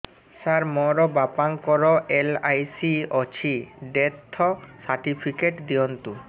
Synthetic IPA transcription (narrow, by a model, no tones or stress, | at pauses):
saɾmɔɾɔbapaŋkɔɾɔʔelajsiɔt͡ɕʰiɖet̪ʰːɔsaɾʈipʰikeʈd̪iɔnt̪u